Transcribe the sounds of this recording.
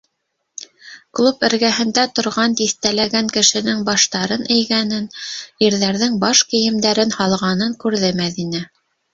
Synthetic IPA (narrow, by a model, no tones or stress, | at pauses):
klˠupɘ̆ɾɡæɦɘ̆nd̪æt̪ŏɾʁɑnt̪iθt̪ælæɡæŋkɘ̆ʃɘ̆nɘŋbɑʃt̪ɑɾɤnɘ̆jɡænɘniɾðæɾðɘŋbɑʃkɘ̆jɘ̆md̪æɾɘnhɑlˠʁɑnɤŋkʉɾðɘmæðinæ